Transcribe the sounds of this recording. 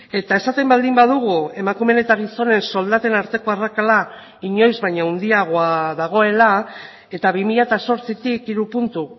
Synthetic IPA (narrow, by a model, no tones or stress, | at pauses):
e̞t̪ae̞sat̪e̞mbald̪imbaðuɣ̞ue̞makume̞ne̞t̪aɣiso̞ne̞nso̞ld̪at̪e̞naɾt̪e̞ko̞arakala | iɲo̞jzβajɲaund̪iaɣ̞oaðaɣ̞o̞e̞la | e̞t̪aβimiʎat̪aso̞ɾt͡sit̪ikiɾupunt̪u